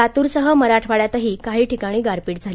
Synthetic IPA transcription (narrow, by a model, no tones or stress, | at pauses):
at̪uːɾsəɦəməɾaʈʰʋaɭjat̪əɦiːkaɦiːʈʰikaɽ̃iːɡaɾpiːʈ̚d͡zʱali